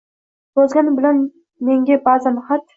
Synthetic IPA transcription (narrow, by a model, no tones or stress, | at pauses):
b̥ɒzɡʲanɪbɪlan | me̞ŋɡʲabazamχat̪